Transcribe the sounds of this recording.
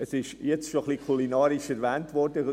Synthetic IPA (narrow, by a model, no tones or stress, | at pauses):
əsɪʃjɛt͡stʃoχlikʰulinɑːɾiʃɛɾʋɛːntʋɔɾdə